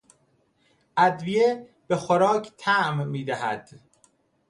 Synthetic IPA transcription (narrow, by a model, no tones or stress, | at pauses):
ʔæd̪vije | b̥e̞xoɾɒːcʰt̪ʰæʔmːiːd̪æɦæd̪̥